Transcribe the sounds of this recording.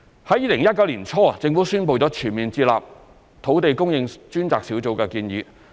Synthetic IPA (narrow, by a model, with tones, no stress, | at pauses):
hɐ˨˥jiː˨˥lɪ˨˩ŋjɐ˥t̚kɐ˧˥wliː˨˩nt͡ʃʰɔː˥˨t͡sɪ˧ŋfu˨˥syː˥npo˨˧wt͡sɔː˨˥t͡ʃʰyː˨˩nmiː˨nt͡siː˧t̚la̰ː˨p̚ | t̪ʰo˨˥wt̪e˨jkʊ˥ŋjɪ˧ŋt͡ʃyː˥nt͡saː˨k̚si˨˥wt͡so˨˧wkɛː˧kiː˧njyː˨˧˥